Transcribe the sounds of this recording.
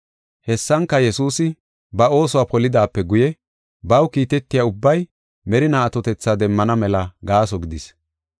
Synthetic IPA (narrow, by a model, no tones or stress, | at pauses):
hɛsːɐŋkːɐjɛsuːsɪ | bɐo̞ːsɔwapɔlɪd̪aːpːɛɡʊjɛ | bɐwkiːt̪ɛt̪ːɪjaʊbːɐj | mɛɾɪnaːt̪ɔt̪ɛt͡sːad̪ɛmːɐnɐmɛlɐɡaːsɔɡɪd̪ɪs